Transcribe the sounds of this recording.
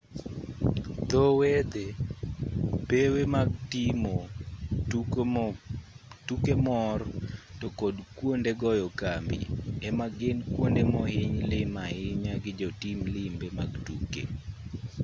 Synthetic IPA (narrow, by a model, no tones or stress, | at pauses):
d̪ɔwed̪e | pewemaɡtimo | tukemɔrtɔkodkwondeɡɔjɔkambḭɛmaɡɪnkwondemɔɦɪɲlɪmaɪɲaɡɪd͡ʒɔtimlɪmbemaɡtukḛ